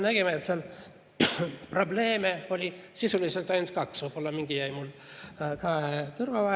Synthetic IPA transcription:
næɡ̥emeːt̪sel | pro̞ble̞ːmeo̞lʲisisuliselt̪ːˑɑjnut̪̚kɑksv̥ɤjb̥olːɑmiŋɡ̥ijæjmul | kɑekɯrvɑvɑ

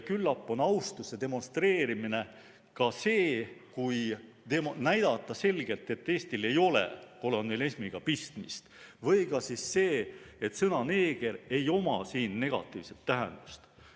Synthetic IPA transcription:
kylːɑpːˑo̞nɑwst̪usːed̪e̞mo̞nst̪ɾe̞ːɾimine̞ | kɑse̞ːkuj | t̪emnæjd̪̥ɑt̪ːˑɑse̞lɡ̥e̞lt̪ˑe̞t̪ːe̞ːst̪ile̞jo̞lḛko̞lonmelesmiɡ̥ɑpist̪mist̪vɤ̞jkɑsisːe̞ːet̪sɤnɑne̞ːɡ̥e̞ɾe̞jo̞mɑsiːnːe̞ɡ̥ɑ̰t̪ːˑḭːvse̞t̪ːæɦe̞̰nd̪̥u̥st̪

